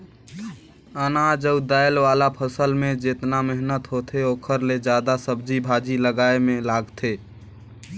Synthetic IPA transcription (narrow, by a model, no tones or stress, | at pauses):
ənad͡ʒəbd̪aːjəlʋaːlapʰəsəlmẽd͡ʒet̪namɛɦnət̪ɦot̪ʰeoːkʰəɾled͡ʒjaːd̪asəbd͡ʒibʱaːd͡ʒiləɡaːemẽlaːɡt̪ʰeː